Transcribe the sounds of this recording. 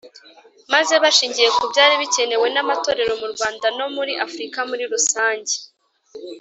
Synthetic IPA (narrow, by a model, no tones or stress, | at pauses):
maze̞βaʃiːɲɟije̞kubjaːɾiβice̞ne̞we̞namato̞ːɾe̞ɾo̞muɾɡwaːndano̞muɾiʔafɾikamuɾiɾusaːɲɟe̥